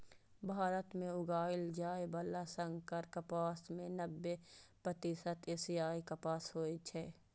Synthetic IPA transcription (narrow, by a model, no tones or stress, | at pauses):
bʱaːɾət̪mẽʊɡaːɪld͡ʒaːebɐlːasə̃ŋɡkɐɾkɐpaːsmẽnəbːepɾət̪iːsət̪eːsjaːikɐpaːsɦoːit͡ʃʰɛː